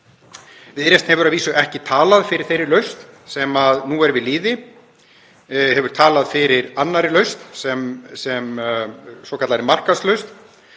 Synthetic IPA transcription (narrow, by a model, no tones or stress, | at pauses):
vɪðɛɾjɛst̪nhɛvʏɾaðviːsʏʔɛhcɪt̪ʰaːlaðfɪɾɪɾ̥θejɾɪɾlœɥst̪ | sɛmaðnuɛɾvɪðliːðɪ | hɛvʏɾ̥t̪ʰaːlaðfɪɾɪɾanːaɾɪlœɥst̪sɛmsɛm | sɔːkʰat̪laɾɪmar̥kaslœɥst̪